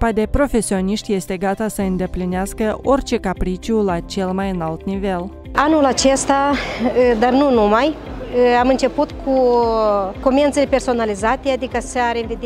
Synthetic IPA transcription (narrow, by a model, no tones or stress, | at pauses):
pad̪e̞pɾo̞fe̞sio̞niʃt̪ʲje̞st̪e̞ɡat̪asəɨnd̪e̞plineaskəo̞rʲt͡ʃe̞kapɾit͡ʃulat͡ʃe̞lmajɨnalt̪nive̞l | anulat͡ʃe̞st̪a | d̪arnunumajamɨnt͡ʃe̞put̪kʰu | ko̞ment̪selepe̞rso̞nalizat̪ead̪ikəseaɾenved̪e